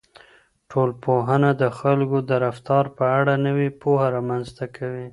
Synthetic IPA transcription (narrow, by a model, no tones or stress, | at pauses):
ʈʰolpoɦənad̪əxalkod̪əɾaft̪ɑɾpəaɽanəwipohaɾɑmanzt̪akʰawi